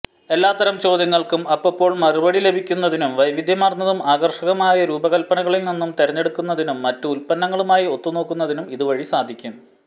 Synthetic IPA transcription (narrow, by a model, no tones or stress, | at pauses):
e̞lːaːt̪ːɐɾɐmt͡ɕo̞ːd̪jɐŋːɐɭkumɐpːɐpːo̞ːɭmɐrubɐɽile̞bʱikʲːunːɐðinumʋɐjʋid̪ʱjɐmaːrnɐðumaːɡɐrʂɐɣɐmaːjɐɾuːbɐɣɐlpɐnɐɣɐɭilninːumt̪eɾɐɲːeɽukːun̪ːɐðinumːɐtːuulpɐnːɐŋːɐɭumaːjio̞t̪ːuno̞ːkːunːɐðinumiðuʋɐɻisaːd̪ʱikʲːum